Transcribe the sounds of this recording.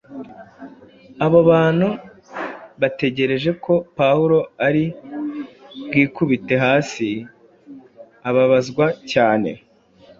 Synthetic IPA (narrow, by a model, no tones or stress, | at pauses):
aβoβaːn̥hu | βate̞ɟe̞ɾe̞ʒe̞kʰo̞pawuɾo̞aɾi | bɡiːkuβite̞ɦaːsi | aβaβazɡwacaːne̞̰